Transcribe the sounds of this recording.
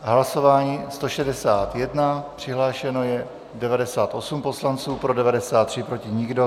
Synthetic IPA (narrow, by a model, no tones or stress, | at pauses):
ɦlaso̞vaːɲiːst̪o̞ʃɛdɛsaːt̪jɛdnapr̝̥ɪɦlaːʃɛno̞jɛ | dɛvadɛsaːt̪ʔo̞sumpo̞slant͡suːpɾo̞dɛvadɛsaːt̪ːr̥ɪpɾo̞cɪɲɪɡdo̞